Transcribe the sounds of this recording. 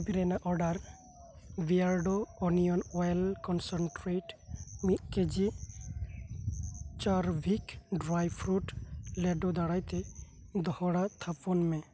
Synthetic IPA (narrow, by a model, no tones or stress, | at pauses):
biɾɛnaʔɔɾɖaɾ | biaɾɖoɔnijɔnɔjlkɔnsɔnʈɾeʈmit̪̚ked͡ʒi | t͡ʃaɾbʱikɖɾajpʰɾuʈlɛɖod̪aɽajt̪e | d̪ɔhɔɽat̪ʰapɔnmɛ